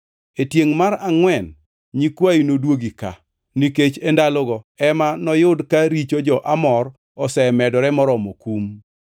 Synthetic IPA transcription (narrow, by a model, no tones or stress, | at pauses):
etjeŋmaɾaŋwɛn | ɲikwainodwoɡika̰ | niket͡ʃendalɔɡɔɛmanɔjʊdkaɾit͡ʃod͡ʒɔʔamɔr | ɔsɛmɛdɔɾɛmɔɾɔmokum